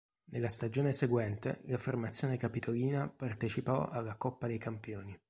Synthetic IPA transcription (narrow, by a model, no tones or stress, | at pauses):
nelːast̪ad͡ʒoːneseɡwɛnt̪ḛlafermat̪sːjoːnekapit̪ʰoliːnapart̪et͡ʃipɔ̰a̰lːakɔpːad̪ejkampjoːni